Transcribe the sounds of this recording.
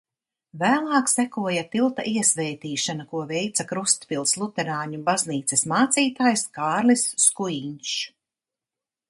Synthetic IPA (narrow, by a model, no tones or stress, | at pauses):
væːlˠɑːksækuɔjat̪ilˠt̪a̰ʔiɛsvɛjt̪iːʃanakuɔvɛjt̪sakɾust̪filˠslˠut̪ɛɾaːɲubazniːt̪sesmaːt̪siːt̪aːjskaːɾlisːkujiɲʃ